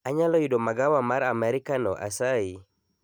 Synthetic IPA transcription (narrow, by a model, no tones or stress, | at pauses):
aɲalɔjudomaɡawamaɾamɛɾikanɔ̰ʔa̰sai